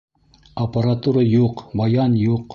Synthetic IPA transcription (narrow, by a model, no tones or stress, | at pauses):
ɐpɐɾat̪uɾɑjuqbɑjɑnjuq